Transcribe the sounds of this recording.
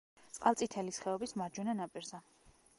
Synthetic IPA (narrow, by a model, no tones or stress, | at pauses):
t̪sʼqʼalˠsʼit̪ʰɛlisχɛɔbismaɾd͡ʒwɛnanapʼiɾzɛ